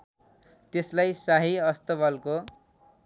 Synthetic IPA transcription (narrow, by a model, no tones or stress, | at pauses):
t̪eslajsaɦiʌst̪ʌbʌlko